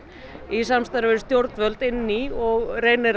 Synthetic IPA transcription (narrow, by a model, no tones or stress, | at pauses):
isamst̪aɾvɪst̪jowɾt̪nvœlt̪ɪnːiɔɣreːjnɪɾ